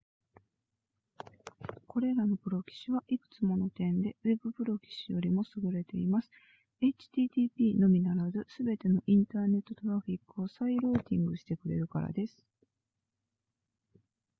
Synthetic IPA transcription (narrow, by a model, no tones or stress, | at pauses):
ko̞ɾe̞ɾano̞bɯ̟ɾo̞kʲi̥ɕiβaʔikɯ̟̥t͡sɨmo̞no̞t̪ẽ̞nd̪e̞we̞bɯ̟bɯ̟ɾo̞kʲi̥ɕijo̞ɾʲimo̞sɨɡɯ̟ɾe̞t̪e̞imasɨ̥ | e̞t͡ɕi̥t̪iːt̪iːpʲiːno̞mʲinaɾazɨsɨbe̞t̪e̞no̞ʔĩnt̪aːne̞t̪ːo̞t̪o̞ɾaɸʲikːɯ̟o̞saiɾoːt̪ʲĩŋɡɯ̟ɕi̥t̪e̞kɯ̟ɾe̞̰ɾɯ̟ka̰ɾa̰d̪e̞sɨ̥